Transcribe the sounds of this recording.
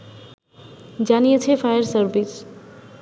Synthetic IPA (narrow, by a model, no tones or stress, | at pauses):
d͡ʑanijet͡ɕʰefajəɾsəɾbis